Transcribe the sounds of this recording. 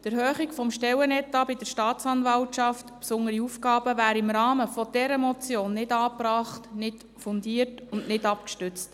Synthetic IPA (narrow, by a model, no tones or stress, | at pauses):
tɛɾhœːχikfɔmʃtɛwənɛtːɑbɪdəɾʃtɑːt̪t͡sɑnvɑltʃɑftpsʊŋəɾiufɡɑːb̥əvæːɾəɪmɾɑːməfɔd̥ɛɾəmɔt͡sjoːnːɪdɑːpɾɑːχtnɪt | fʊndiːərtʊnnɪdɑpkʃtʏt͡st